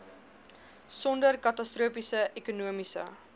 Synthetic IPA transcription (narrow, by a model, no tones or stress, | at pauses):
sɔndərkɐtɐstruəfisəʔekunuəmisə̰